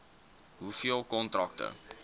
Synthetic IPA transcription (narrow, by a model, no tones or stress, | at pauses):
ɦufiəlˠkɔntrɐk̚tə̰